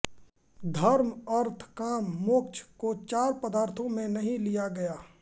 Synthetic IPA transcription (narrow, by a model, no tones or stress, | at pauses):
d̪ʱɐɾməɾt̪ʰkaːmːʊk̚t͡ʃkot͡ʃaːɾpəd̪aːɾt̪ʰõmẽnɐɦĩlijaɡɐjaː